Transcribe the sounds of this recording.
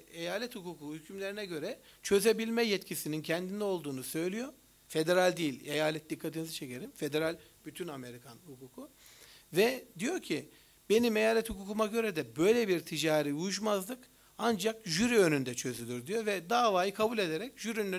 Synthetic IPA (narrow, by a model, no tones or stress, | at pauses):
ejaːlʲɛt̪hukʰuːkuhycʰymlʲe̞ɾinɛɟø̞ɾɛt͡ʃʰø̞ze̞bilʲmɛjɛt̪cʰisinincʰɛnd̪ind̪ɛo̞lˠd̪uːnusø̞jlʲijo̞ | fe̞d̪e̞ɾalʲd̪ijilʲejaːlʲɛt̪̚d̪ikʰːat̪ʰinizɯt͡ʃʰe̞ce̞ɾimfe̞d̪e̞ɾalʲ | b̥yt̪ʰyname̞ɾikʰanhukʰuːkʰu | vɛd̪ijo̞ɾcʰi | be̞nime̞jaːlʲɛt̪hukuːkʰumaɟø̞ɾɛd̪ɛbø̞jlʲebiɾt̪ʰid͡ʒaːɾiuʃmazlˠɯk | and͡ʒakʒyɾiø̞nynd̪ɛt͡ʃʰø̞zylʲyɾd̪ijo̞vɛd̪avaːjɯkʰabulʲe̞d̪eɾɛcʒyɾyn